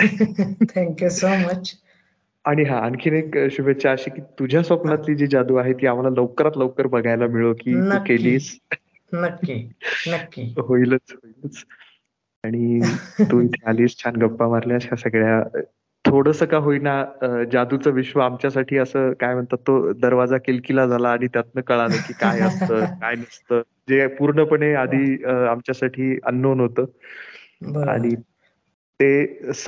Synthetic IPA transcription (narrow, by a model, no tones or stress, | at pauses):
t̪ʰɛ̃ŋkjusomət͡ɕ | aɽ̃iɦãənkʰinekəɕuʋʱet̪̚t͡ɕaːɕikiːt̪ud͡ʑʱjasʋəpnat̪liːd͡ʑid͡ʑad̪uaɦet̪iːam̤alaləʋkəɾat̪ləʋkəɾbəɡʱajlamiɭokiːnkeliːs | nəkːinəkːiɦoilət͡sɦoilət͡s | aɽ̃it̪uːit̪ʰealiːst͡ɕʰanɡəpːamaɾljaɕasəɡɭja | t̪ʰoɽəsəkaɦoinaəd͡zad̪ut͡səːʋiɕʋəamt͡ɕjasaʈʰiːəsəːkajm̤əɳt̪at̪ːod̪əɾʋad͡zakelkilad͡zʱalaːɽ̃it̪jat̪̚nəkəɭaləkiːkajəst̪əːkajnəst̪əː | d͡zepuɾɳəpəɳead̪ʱiːamt͡ɕjasaʈʰiːə̰nːonɦot̪əː | ba̰ɽ̃i | t̪es